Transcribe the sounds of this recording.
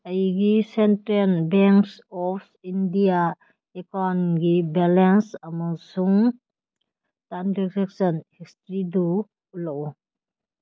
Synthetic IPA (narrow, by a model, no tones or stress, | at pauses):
ɐjɡisentɾelbeŋksɔpʰ | indija | ekanɡibelensɐmasuŋ | tandikɾeksɔnhistɾidu | lɔu